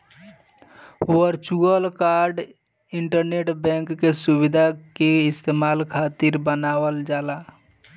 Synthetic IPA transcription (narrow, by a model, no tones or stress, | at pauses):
əɾt͡ʃuɡəlkaɾɖ | ɪɳʈəɾneʈbɛ̃ŋkːesubid̪ʱakeɪst̪emaːlkʰat̪iɾbənaːwəld͡ʒaːla